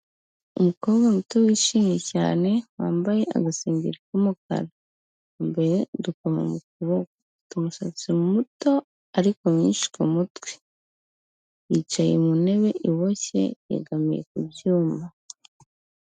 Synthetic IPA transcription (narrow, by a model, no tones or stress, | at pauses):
umukoːβɡamutowiʃiːŋeca̰ːne̞waːmbaje̞ʔa̰ɡasiːɲɟiɾikumuka̰ɾa | mbeedukoma̰mukuβoka | tumuʃat͡siɾumuto̞ | aɾikomiːnʃi̥komutwe̥ | jit͡ʃajḛmune̞βe̞ʔiβo̞çe̞̰jḛɡamije̞̰kubjuːma